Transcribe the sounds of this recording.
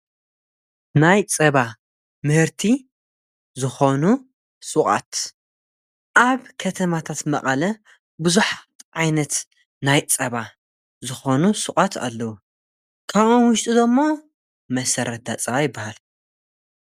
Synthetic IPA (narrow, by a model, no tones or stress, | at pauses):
najt͡sʼɐβa | mɨhɨɾt̪ʰi | zɨxo̞nu | sʼɨkʼa̰t̪ | ʔaβkʰɐt̪ʰɐmat̪ʰat̪mɐχʼɐlɐ | bɨzuħat̪ʕajnɐt̪ | najt͡sʼɐβa | zɨxo̞nusʼɨχʼat̪ʰa̰lːɐwu | kʰaβʔonwʊʃt̪ʼid̪ɐmːo̞ | mɐsɐɾɐt̪̚d̪at͡sʼɐβajɪbːahal